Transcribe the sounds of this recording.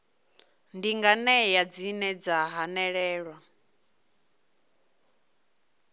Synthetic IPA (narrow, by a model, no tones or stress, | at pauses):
ndiŋɡanɛjad͡zinɛd͡zaɦanɛɺɛːɺwa